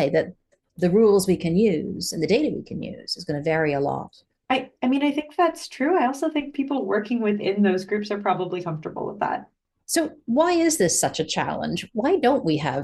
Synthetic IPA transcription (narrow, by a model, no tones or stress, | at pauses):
ɪðɨt̪̚ | ðɨɹulˠzwikʰɨ̃njʉz̥ɨ̃nðɨdeɪɾɨwḭkʰɨ̃njʉ̰z̥ɨzɡʌñɨvɛɹiəlɔ̰t̚ | aɪaɪmĩnaɪθɪ̃ŋk̚ðætstʰɹ̥ʉaɪɔlˠsoʊθɪ̃ŋk̚pʰipl̩ˠwɜ˞kɪ̃ŋwɪðɪ̰̃nðoʊzɡɹʉpsə˞pʰɹ̥ɑbəblikʰʌ̃ɱftə̰˞bl̩ˠwə̰ðæ̰t̚ | soʊwaɪɪzðɪsʌt͡ʃɨt͡ʃʰæ̰lˠə̰̃nd͡ʒwaɪdõʊ̃nʔwiə̰v